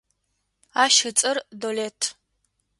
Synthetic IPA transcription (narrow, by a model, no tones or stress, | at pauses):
aːʃɨt͡sʼɨrdoleːtʰ